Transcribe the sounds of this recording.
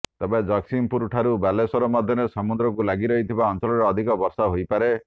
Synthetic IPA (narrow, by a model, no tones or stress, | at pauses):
t̪ebed͡ʒɔksimpuɾuʈʰaɾubalesɔɾɔmad̪ʱjɔnesɔmud̪ɾɔkulaɡiɾɔɦit̪ʰibaɔnt͡ʃɔlɔɾɔːd̪ʱikɔbɔɾsaɦojpaɾe